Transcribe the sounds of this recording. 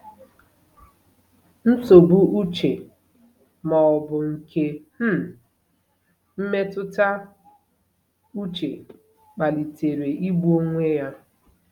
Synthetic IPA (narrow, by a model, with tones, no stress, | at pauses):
n̩˦so˨bu˦ʔu˦t͡ʃe˨ | mɔ˨ɔ˨bʊ˨ŋ̩˨ke˦m̩˦ | m̩˦me˦tʊ˦ta˦ | u˦t͡ʃḛ˨ | k͡pa˨li˨te˨ɾe˨i˦ɡ͡bu˦o˦ŋʷe˦ja˦